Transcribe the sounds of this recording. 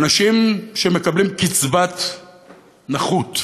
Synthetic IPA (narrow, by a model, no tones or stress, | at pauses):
naʃimʃeme̞kablimkit͡svat̪ | naχut̪